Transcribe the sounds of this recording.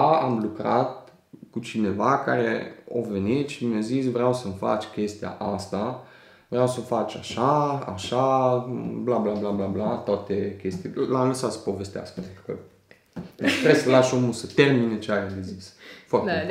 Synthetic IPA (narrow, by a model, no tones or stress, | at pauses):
aamlukɾat̪̚ | kut͡ʃine̞vaka̰ɾḛa̰ve̞nit̪ʃimjazisvɾeawsəmfa̰t͡ʃʲkʲe̞st̪ia̰ʔast̪a | vɾeawsəmfat͡ʃʲaʃaa̰ʃa | blablablablablat̪at̪ekʲe̞st̪illamləsat̪sə̥po̞vest̪ea̰skəpent̪ɾukə̰ | tɾeslaʃomulsət̪e̞rminet͡ʃeajad̪ezisfart̪e